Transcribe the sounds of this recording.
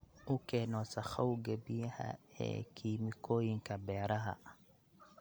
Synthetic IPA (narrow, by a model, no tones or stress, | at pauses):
ukɛnɔsaxauɡebiha̰ɛ̰kʰimikoiŋkabɛɾaɦa̰